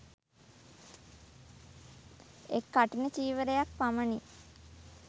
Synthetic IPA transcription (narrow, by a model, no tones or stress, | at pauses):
ekːaʈinət͡ʃiːʋəɾejak̚paməni